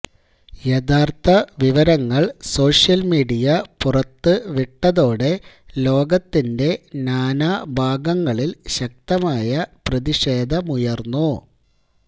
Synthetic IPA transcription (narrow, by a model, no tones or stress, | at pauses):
jed̪aːrt̪ʰɐʋiʋɐɾɐŋːɐɭso̞ːʂijɐlmiːɽijɐpurɐt̪ːɨʋiʈːɐðo̞ːɽe̞lo̞ːɡɐt̪ːinde̞naːnaːbʱaːɡɐŋːɐɭilɕɐk̚t̪ɐmaːjɐprɐðiɕe̞ːd̪ʱɐmujɐrnːu